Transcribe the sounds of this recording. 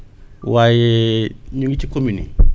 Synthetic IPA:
wajeɲoŋɡitikominḭ

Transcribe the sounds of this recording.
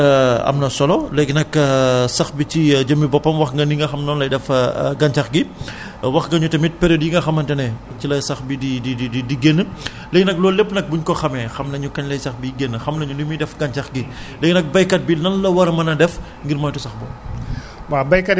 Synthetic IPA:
ɐ̰mnɐsɔlɔlɛɡnɐksɐxbicid͡ʒɐmibɔpːɐmwɐxŋɡɐniŋɡɐxɐmnɔːnlɐjdɛfɡɐɲt͡ʃɐxɡi | wɐxŋɡɐɲutɐmit̚pɛɾodjiŋɡɐxɐmɐntɛnɛ | cilɐjsɐxbidididididiɡenːə | lɛːɡnɐk̚lɔːlepːnɐk̚buɲkɔxɐmɛxɐmnɐɲukɐɲlɐjsɐxbiɡenːəxɐmnɐɲunumidɛfɡɐɲt͡ʃɐxɡilɛːɡinɐk̚bɐjkɐt̚binɐnlɐwɐɾɐmɐnɐdɛf | ŋɡiɾmɔːjtɔsɐxbɔ̰ | babɐjkɐt

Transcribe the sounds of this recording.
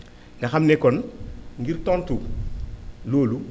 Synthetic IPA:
ŋɡɐxɐmnɛkːɔnŋɡirtɔntu | loːlu

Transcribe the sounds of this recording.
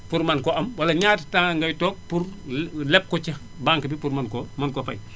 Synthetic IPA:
puɾmɐnkɔʔɐmwɐlɐɲaːti̥taːŋŋɡɐjtɔːk̚purlɛp̚kɔt͡ʃɐ | baːŋkɐbipuɾmɐnkomɐnkɔfɐ̰j

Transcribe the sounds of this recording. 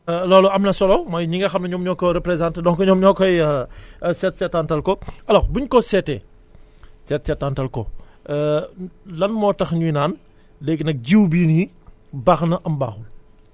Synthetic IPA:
lɔːlɔɐmnɐsɔlɔmɐjɲiŋɡɐxɐmnɐɲɔːmɲɔːkːɔɾɛpɾezãntdɔŋkɔɲɔmɲɔkːɔj | sɛtsɛtːantɐlkɔʔɐlɔbuɲkɔsɛtɛ̰ː | sɛtsɛtːantɐlkɔ | lɐnmɔːtɐxɲujnaːn | lɛɡnɐk̚ɟiwbiːni | bɐxnɐʔɐmba̰ːxul

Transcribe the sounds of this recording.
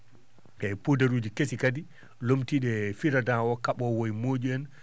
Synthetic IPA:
ʔɛpudaɾuːd͡ʒikesikadi | lomtiɗɛfiɾadawɔkaɓɔwojmod͡ʒuɛn

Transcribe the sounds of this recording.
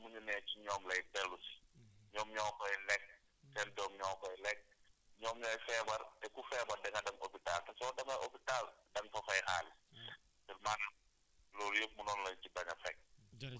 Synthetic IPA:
muɲunɛːt͡ʃiɲɔːmlɐjdɛlːusi̥ɲɔːmɲɔːmkɔjlɛk̚ | tɛndɔːmɲɔːmkɔjlɛk̚ɲɔːmɲɔːjfɛːbɐrɛkufɛːbɐdɛŋɐdɐŋo̰pitaːltɐsɔdɐmɐʔopitaldɐŋfɔxɔjxaːl | bɛlman | lɔɾjəp̚munɔːnlɐcibɐɲɐfɛk̚

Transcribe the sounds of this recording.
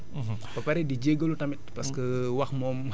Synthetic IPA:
papaɾidid͡ʒeɡolut̪amit̪̚paskəwak̚mɔm

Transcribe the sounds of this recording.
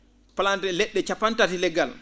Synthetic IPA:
palantɛlɛɗːɛt͡ʃapantatilɛɡal

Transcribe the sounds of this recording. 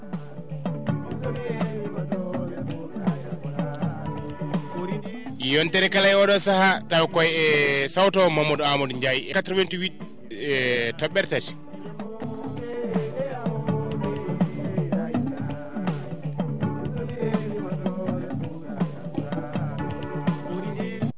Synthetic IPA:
jɔntɛɾɛkalajɔɗɔsahatawkɔjɛsawtɔmamːɔdamɔdɲd͡ʒajiʔɛkatɾɔvɛntiwit | tɔɓːɛɾtati̥

